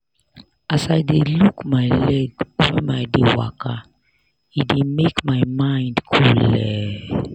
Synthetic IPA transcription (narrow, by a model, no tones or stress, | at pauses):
asaɪdelukmaɪlɛɡbamaɪdewa̰ka | idemekmaɪmãɪ̃ndkʰulɛ